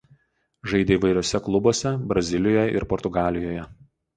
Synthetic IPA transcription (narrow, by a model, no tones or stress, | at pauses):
ʒɐɪd̪ʲeiːʋɐɪɾʲoːsʲɛklˠʊboːsʲɛbɾɐzʲɪlʲɪjoːjɛʔɪ̰ɾpɔɾt̪ʊɡɑːlʲɪjoːjɛ